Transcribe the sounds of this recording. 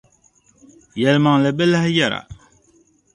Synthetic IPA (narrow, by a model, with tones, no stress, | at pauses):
jɛ˨lma˨ŋlɛ˨bɛ˦lɛ˦hjɛ˨ɾa̰˨